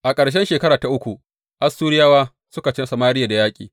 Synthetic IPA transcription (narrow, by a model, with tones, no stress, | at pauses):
ʔa˨kʼɐ˨ɽʃ̬ɛ˦nʃeː˨kɐ˦ɾaː˨ta˨ʔʊ˦kʷu˨ʔ | ʔa˦sːuː˦ɾɪ˦jaː˦waː˦ | sʊ˦ka˨t͡ʃɪ˦sɐ˨maː˦ɾɪ˦ja˨da˨jaː˦kʲʼḭː˨